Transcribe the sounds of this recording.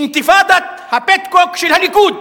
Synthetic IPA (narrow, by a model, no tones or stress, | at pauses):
nt̪ifad̪at̪̚ | hapɛt̪kɔkʃilhanikut̪